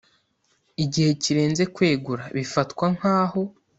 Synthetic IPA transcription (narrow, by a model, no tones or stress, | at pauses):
iɟihe̞ciɾe̞ːnze̞kwe̞ːɡuɾaβifatkwaŋ̥haːho̞